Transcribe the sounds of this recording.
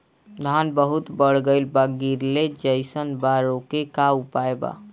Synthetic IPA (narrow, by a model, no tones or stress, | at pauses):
d̪ʱanbəɦut̪bəɽ̤ɡəɪlbaɡiɾled͡ʒəɪsənbaɾokekaupaeba̰